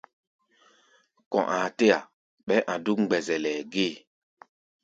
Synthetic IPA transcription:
kɔ̰̃˨ʔã˨te˦ja˨ | ɓɛ˦ʔã˨du˦kŋ͡mɡ͡bɛ˨zɛ˨lɛ˨ɡe˦˨

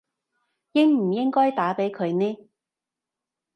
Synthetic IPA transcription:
jɪ˥ŋm̩˨˩jɪ˥ŋkɔː˥jt̪aː˨˥pe˨˥jkʰɵ˨˧ɥnɛː˥

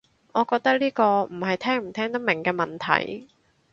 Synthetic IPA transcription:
ŋɔː˨˧kɔː˧k̚t̪ɐ˥k̚liː˥kɔː˧m̩˨˩hɐ˨jt̪ʰɛː˥ŋm̩˨˩t̪ʰɛː˥ŋt̪ɐ˥k̚mɪ˨˩ŋkɛː˧mɐ˨nt̪ʰɐ̰˨˩j

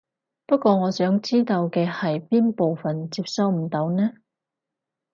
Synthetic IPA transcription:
pɐ˥t̚kʷɔː˧ŋɔː˨˧sœː˨˥ŋt͡siː˥t̪o˧wkɛː˧hɐ˨jpiː˥npo˨wfɐ˨nt͡siː˧p̚sɐ˧wm̩˨˩t̪o˨˧˥wnɛː˥

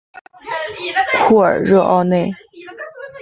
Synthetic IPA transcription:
pʰu˥˩ə̰˞˨˩ɻɤ˥˧ʔɑ̰˥˧ʊne˥˩ɪ

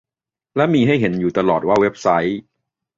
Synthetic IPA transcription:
lɛ˦˥miː˧ɦa˥˩jɦe˩˦njuː˨˩t̪a˧lɔː˨˩t̪̚waː˥˩we˦˥p̚sa˦˥j

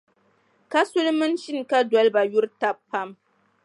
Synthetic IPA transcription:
ka˦sʊ˦lmɨ˦nʃi˦n˨ka˦dɔ˦lba˨jʊ˦ɾta˦pːa˦m

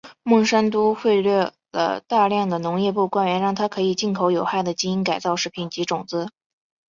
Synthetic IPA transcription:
mʊ˥˩ʂa˥nt̪̬u˥xwe˥˧ɪlɥɛ˥˩ | lə̰˩t̪a˥˧ljɑ˥˩ŋd̪ə˩nʊ˧˥ŋjɛ˥˧pu˥˩kwa˥nɥɛ˧˥nɻɑ˥˩ŋt̪ʰa˥kʰɤ˧˥i˨˩t͡ɕi˥˩nkʰo˧˥ʊjo˨˩ʊxa˥˩ɪd̪ə˩t͡ɕi˥i˥nka˨˩ɪt͡sɑ˥˧ʊʂɻ̩˥˩pʰi˧˥˩nt͡ɕi˧˥ʈ͡ʂʊ˨˩ŋt͡sɹ̩˧˥

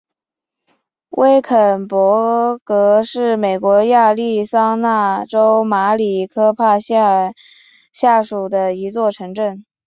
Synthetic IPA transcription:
wʔe˥ɪkʰə˨˩npwɔ˧˥kɤ˧˥ʂɻ̩˥˩me˨˩ɪkwɔ˧˥ja˥˧li˥˩sɑ˥ŋna˥˩ʈ͡ʂo˥ʊma˧˥li˨˩kʰɤ˥pʰa˥˧˥ | ɕja˥˩ʂu˨˩d̪ə˦i˧˥t͡swɔ˥˩ʈ͡ʂʰɤ˧˥ŋʈ͡ʂə˥˩n

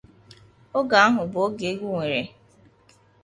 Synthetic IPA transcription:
o˦ɡa˨a˦ɦʊ˨bʊ˨o˦ɡe˨˦ɡʷu˦ŋʷe˨ɾe˨

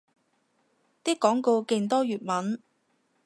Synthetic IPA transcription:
t̪iː˥kːɔː˨˥ŋko˧wke˧nt̪ɔː˥jyː˨˩t̚mɐ˨˥n

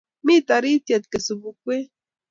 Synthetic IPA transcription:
mi˦˨ta˨ɾi˦tje˨t̚ke˨so˨bu˨kʷwe˦

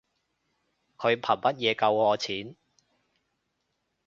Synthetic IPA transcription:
kʰɵ˨˧ɥpʰɐ˨˩nmɐ˦˥t̚jɛː˨˧kɐ˧wɔː˨˧t͡sʰiː˨˥n

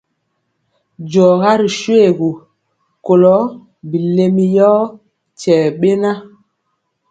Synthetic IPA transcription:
d͡ʒɔː˨ɣa˦ɾi˨ʃwe˦˨ɣu˨ | ko˨lɔ˨˦ | bi˨le˨mi˨jɔ˦ | t͡ʃɛː˨ɓe˦na˦

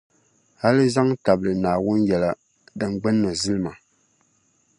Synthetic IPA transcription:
ha˦lɨ˦za˦ŋta˨blɨ˨naː˨wʊ˦njɛ˨la˦ | dɨ˨ŋɡ͡bɛ˦nːɨ˨zɨ˦lɨ˦ma˨

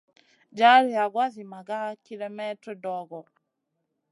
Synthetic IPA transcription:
d͡ʒa˦ɾi˨a˨ɡwa˦zi˨ma˨ɡa˦ki˦lɛ˦mɛ˦tɾɔ˦dɔ˨ɡɔ˨

